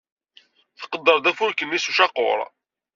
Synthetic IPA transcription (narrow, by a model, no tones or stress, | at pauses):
θə̥qːəd̪ːəɾðæfʊɾkənːisuʃɑqːʊ̰ɾˤ